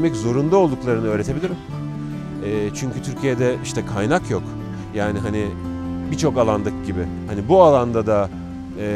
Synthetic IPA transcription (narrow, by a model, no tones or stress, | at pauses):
mɛczo̞ɾund̪aolˠd̪uklˠaɾɯnɯø̞ːɾe̞t̪ʰe̞bilʲiɾim | ɛːt͡ʃʰyɲcʰyt̪ʰyɾcʰijɛd̪ɛiʃt̪ʰɛkʰajnakjo̞k | jaːniɦanɪbit͡ʃʰo̞kalˠand̪ɯk̚ɟibɪ | hanibualˠand̪ad̪aː